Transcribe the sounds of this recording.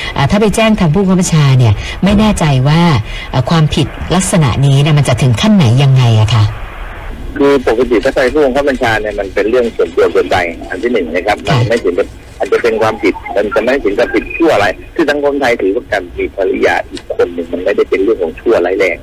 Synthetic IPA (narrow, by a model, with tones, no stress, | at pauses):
ʔaː˨˩t̪ʰaː˥˩pa˧jt͡ɕɛː˥˩ŋt̪ʰaː˧ŋpʰuː˥˩kʰːpʰa˧nt͡ɕʰaː˧ni˥˩ɐ | ma˥˩jnɛː˥˩t͡ɕa˧jwaː˥˩ | ʔːkʰwaː˧mpʰi˨˩t̪̚la˦˥k̚sa˧na̰˨˩ʔniː˦˥ni˥˩ma˧nt͡ɕa˨˩t̪ʰɯ˩˦ŋkʰa˥˩nːa˩˦jːa˧ŋːa˧jʔa˨˩kʰa˦˥ | kʰɯː˧po˨˩ka˧t̪̬i˨˩t̪ʰaː˥˩pʰaː˧jpʰuː˥˩o˧ŋkʰa˥˩pʰa˧nt͡ɕʰaː˧ni˥˩ɐma˧npe˧nɾɯ˥˩əŋsu˨˩˦ənt̪u˧əso˧ənba˧jʔa̰˧nt̪ʰiː˥˩nɯ˨˩ŋna˦˥kʰa˦˥p̚ma˧nma˥˩jsʰi˨˦nka˧˩ | ʔaː˨˧nt͡ɕa˨˩pe˧nkʰwaː˧mpʰi˨˩t̪̚ma˧nt͡ɕa˨˩ma˥˩jsi˨˦ŋka˧˩pʰi˨˩t̪̚t͡ɕʰu˥˩ɐʔa˧ɾa˧jkʰɯː˧sa˨˦ŋkʰo˧nt̪ʰa˧jt̪ʰɯː˨˩˦wa˥˩kaː˧nmiː˧pʰa˧ɾi˦˥ja̰˧˩ʔiː˨˩kʰːo˧nːɯ˨˩ŋma˧nma˥˩jda˥˩jpe˧nɾɯ˥˩əŋkʰɔː˨˦ŋt͡ɕʰu˥˩ɐlaː˦˥˩jlɛː˧˩ŋ